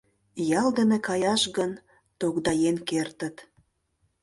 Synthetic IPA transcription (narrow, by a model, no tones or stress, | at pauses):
jɑld̪ənekɑjɑʃɣən | t̪oɣd̪ɑjenkert̪ə̆t̪